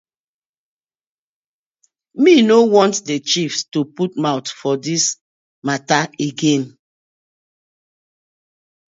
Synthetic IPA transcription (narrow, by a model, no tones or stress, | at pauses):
minowɔ̃ntdet͡ʃifstuputmaʊtfɔdis | mataeɡẽn